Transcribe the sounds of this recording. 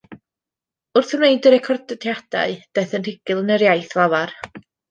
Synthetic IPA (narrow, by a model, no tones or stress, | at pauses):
ʊrθəmnejdəɾɛkʰɔrdtʰjad̥a̰ɨd̥ɛθənr̥ɪɡ̥ɪlˠənəɾjajθlˠavar